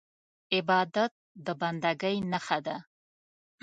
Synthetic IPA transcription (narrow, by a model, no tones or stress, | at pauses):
ɪbɑːd̪at̪̚d̪əband̪aɡajnaχad̪a